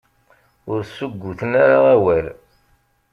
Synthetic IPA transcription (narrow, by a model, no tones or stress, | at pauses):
ʊɾsuɡʷːuθənaɾaæwæl